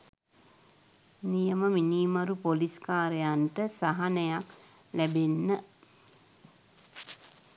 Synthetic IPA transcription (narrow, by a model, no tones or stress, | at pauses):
nijəməminiːmaɾupoliskaːɾejanʈəsaɦanəjak | læbenːə